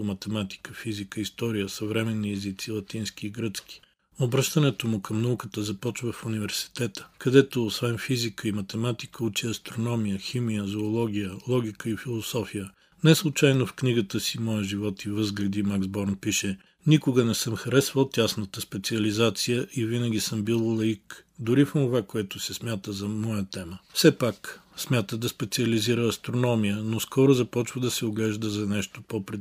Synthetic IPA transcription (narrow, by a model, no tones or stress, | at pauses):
omɐt̪ɛmat̪i̥kəfizikəist̪ɔɾijəsɐvɾɛmɛnːiɛzit̪silˠɐt̪inskiːɡɾət̪skʲi̥ | obɾɤʃt̪ənɛt̪omʊkʰɐmnɐukət̪əzɐpɔt͡ʃvəfunivɛɾsi̥t̪ɛt̪ə̥kɐd̪ɛt̪oːsvɛnfizikəimɐt̪ɛmat̪i̥kəut͡ʃiɐst̪ɾonɔmijəximijəzoːlˠɔɡʲijəlˠɔɡʲikəifilˠosɔfijə | nɛslˠʊt͡ʃajnofkniɡət̪əsimɔjəʒivɔt̪ivɤzɡlɛd̪imaɡzbɔɾnpiʃɛ | nikʊɡənɛsəmxɐɾɛsvəlˠt̪ʲasnət̪əspɛt̪siɐlizat̪sijəʔivinəɡʲisəmbilˠlˠɐik | d̪ʊɾifonʊvakoɛt̪ʊsɛsmʲjat̪əzɐmɔjət̪ɛməfsɛpaksmʲat̪əd̪ɐspɛt̪sʲiɐliziɾəːst̪ɾonɔmijənoskɔɾʊzɐpɔt͡ʃvəd̪ɐsɛoɡlɛʒd̪əzɐnɛʃt̪opopɾɛ